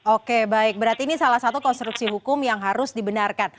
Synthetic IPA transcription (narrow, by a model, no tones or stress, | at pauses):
okebaɪk̚bəɾart̪iːnisalahsat̪ukɔnst̪ɾuksiɦukʊmjaŋɦaɾʊsdibənarkan